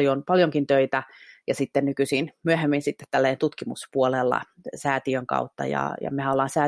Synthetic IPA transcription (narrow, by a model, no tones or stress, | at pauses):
jonpɑljoŋkint̪øit̪æjɑsit̪ːennykysinmyøhemːinsit̪ːet̪t̪ælːæent̪ut̪kimuspuolelːɑ̰ | sæːt̪iøŋkɑ̰ut̪ːɑ̰jɑ̰jɑ̰mehænolːɑːnsæː